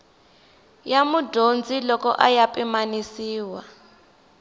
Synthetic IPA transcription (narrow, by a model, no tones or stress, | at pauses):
jamudond͡zilɔkɔ̰ʔajapʼimanisiːwa